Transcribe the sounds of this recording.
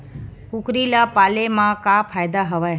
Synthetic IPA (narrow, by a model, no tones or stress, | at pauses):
kukɾilapalemãkapʰajd̪aɦəʋa